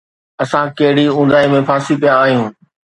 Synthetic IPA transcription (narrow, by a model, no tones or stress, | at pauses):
ɐsãkɐɦɪɽiũːnd̪aːimẽpʰãːsipijaːɦijũː